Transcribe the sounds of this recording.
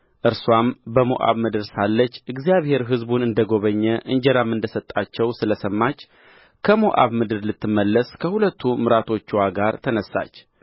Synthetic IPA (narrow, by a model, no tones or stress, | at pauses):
ʔɨɾswambəmo̰ʔa̰βmɨd̪ɨɾsalːət͡ʃːɨɡzijaβhe̞ɾɦɨzbunɨnd̪əɡo̞βəɲːɛʔɨɲd͡ʒɛɾamːɨnd̪əsət̪ʼːat͡ʃːɛwsɨləsəmːat͡ʃː | kʰəmoʔa̰βmɨd̪ɨɾlɨt̪ːɨmːəlːəskʰəhulət̪ʰːumɨɾat̪ʰo̞t͡ʃːwaɡaɾt̪ʰənəsːa̰t͡ʃː